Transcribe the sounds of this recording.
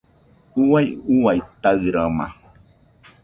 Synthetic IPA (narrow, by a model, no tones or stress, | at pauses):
uwajuwajt̪aɨɾama̰